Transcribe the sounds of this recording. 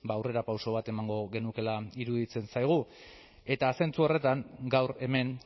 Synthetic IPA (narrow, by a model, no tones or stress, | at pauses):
baːwre̞ɾapawso̞β̞at̪e̞maŋɡo̞ɣe̞nuke̞laiɾuðit͡se̞nsajɣ̞u | e̞t̪aːse̞nt͡suo̞re̞t̪aŋɡawɾe̞me̞n